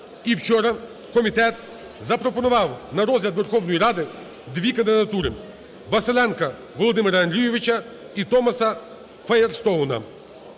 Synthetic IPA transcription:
iwt͡ʃɔɾɐ | kɔmʲit̪ɛt̪ | zɐpɾɔpɔnɔʋɑwnɐɾɔzʲlʲɐd̪ʋɛrxɔwnɔjiɾɑd̪ɪ | d̪ʋʲikɐnd̪ɪd̪ɐt̪uɾɪ | ʋɐselʲˠɛnkɐ | ʋɔlˠɔd̪ɪmɪɾɐɐnd̪ɾʲijɔʋɪt͡ʃɐ | it̪ɔmɐsɐ | fɐjerst̪ɔnɐ̰

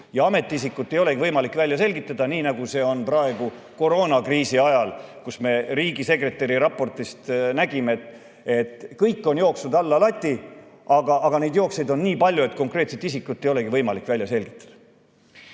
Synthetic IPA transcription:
jɑɑme̞t̪ːˑiisikːˑut̪ːe̞jo̞le̞kivɤjmɑlikːˑvælʲjɑse̞lʲɡit̪ːˑɑd̪̥ɑniːnɑɡ̥use̞ːo̞nprɑe̞ɡu | ko̞ɾo̞ːnɑkriːsiɑjɑlkusme̞ɾiːɡise̞kre̞t̪ːˑe̞ɾiɾɑpːˑo̞rt̪ist̪næɡ̥imeet̪ | e̞t̪kɤjkːo̞njo̞ːksnud̪ɑlːɑlɑt̪ʲːiɑɡ̥ɑʔɑɡ̥ɑne̞jd̪̥jo̞ːkse̞jd̪o̞nːiːpɑlʲjue̞t̪ko̞ŋkre̞ːt̪set̪is̬ikːˑut̪ːe̞jole̞ɡivɤjmɑlikːˑvælʲjɑse̞lʲɡ̥it̪ˑːɑ̥d̪̥ɑ̥

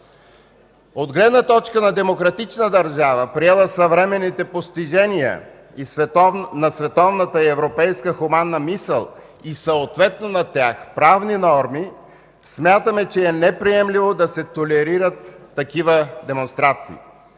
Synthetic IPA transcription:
od̪ɡlɛd̪nət̪ɔt͡ʃkənɐd̪ɛmokɾɐt̪it͡ʃnəd̪ɐɾʒavəpɾiɛlˠəsɐvɾɛmɛnːit̪ɛpost̪iʒɛnijə̰ | isvɛnɐsvɛt̪ɔvnət̪əiɛvɾopɛjskəxumanːəmisə̰lˠ | isɐot̪vɛt̪̚nonɐt̪ʲjaxpɾavninɔɾmi | smʲjat̪əmɛt͡ʃɛɛnɛpɾiɛmlivod̪ɐsɛt̪olɛɾiɾət̪ːɐkivəd̪ɛmonst̪ɾat̪sḭː

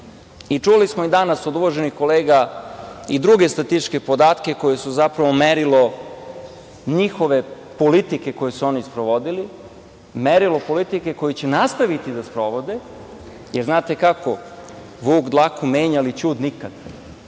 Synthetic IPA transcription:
it͡ʃulismoid̪anaso̞d̪uʋoʒenixko̞leːɡa | id̪ɾuɡe̞st̪ɾat̪iʃke̞po̞d̪aːt̪ke̞ko̞jesuzapɾaʋo̞meɾilo | ɲixo̞ʋe̞ | po̞lit̪ike̞ko̞jesuo̞nispɾoʋo̞d̪ili | meɾilo̞po̞lit̪ike̞ko̞jit͡ɕenast̪aʋit̪id̪aspɾo̞ʋo̞d̪e | jeɾznaːt̪e̞kako | ʋuːɡd̪lˠakumeːɲalit͡ɕuːd̪nikad̪̥

